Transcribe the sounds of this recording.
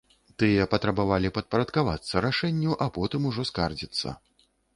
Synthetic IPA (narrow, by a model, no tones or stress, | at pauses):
t̪ɨjɐpɐt̪ɾɐbavalʲipɐt̪̚pɐɾɐt̪kavat̪sːɐɾaʂɛnʲːuʔapɔt̪ɨmuʐɔskard͡zʲit̪sːɐ̰